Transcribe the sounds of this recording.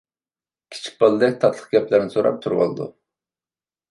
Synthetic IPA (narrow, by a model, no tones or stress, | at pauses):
kʲʰi̥t͡ʃʰi̥k̚ʲbɑlˠɨd̪ɛk̚ʲt̪ʰɑt̪ʰlˠə̥χɡʲɛplɪɾnɪsoɾɑ̰p̚t̪ʰuɾwo̰lˠɨd̪ṵ